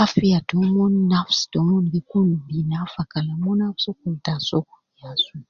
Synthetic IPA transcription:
afiadomoninafsi̥d̥omonɡekunubinafakalamonafsokultasoku̥iasu

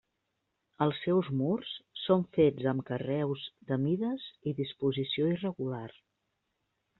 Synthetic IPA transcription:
əlˠsːɛwzmurssoɱfed͡zəmkərɛwzd̪əmiðəziðispuzisioirəɣular

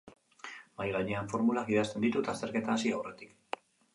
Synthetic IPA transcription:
majɣajɲeaɱfo̞ɾmulakiðast̪e̞nd̪it̪ut̪ast̪e̞ɾke̞t̪aːsiawre̞t̪i̥k

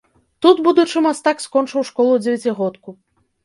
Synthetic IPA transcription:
t̪ut̪bud̪ut͡ʂɨmast̪akskɔnt͡ʂɨwʂkɔlˠud͡zʲɛvʲat͡sʲiɣɔt̪ku

